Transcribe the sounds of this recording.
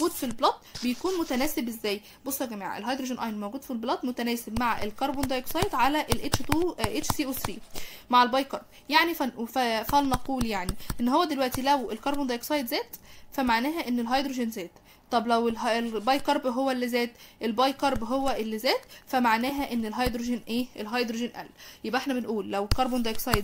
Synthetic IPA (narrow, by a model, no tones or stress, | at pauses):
ɡuːd̪filblɑt̪̚ˤbejækuːnmot̪ænæːsebʔezːæːj | bosˤːɑɡæma̰ːʕaʔḛlhɑjd̪ɾoʒonʔɑ̰jnmoːɡuːd̪̥filblɑt̪ˤmot̪ænæːsebmaʕʔelkɑɾˤbond̪ɑjksˤɑjt̪ʕalæʔelʔet͡ʃt̪uʔet͡ʃsiːʔosiːmaʕelbɑjkɑɾˤb̥ | jaʕniffæfænɑquːljaʕniʔenːhowːæd̪elwæʔt̪ilæwelkɑɾˤbond̪ɑjksˤɑjd̪zæːt̪fæmaʕnæːɦæʔenːelɦɑjd̪ɾoʒenzæːt̪ | t̪ˤːɑblæwelelbɑjkɑɾˤbɦowːælːizæːt̪ʔelbɑjkɑɾˤbɦowːæʔelːizæːt̪fæmaʕnæːɦæʔenːelɦɑjd̪ɾoʒenʔeːʔelɦɑjd̪ɾoʒenʔæ̰lːjebʔeħnæbenʔuːlːæwkɑɾˤbond̪ɑjksˤɑjd̪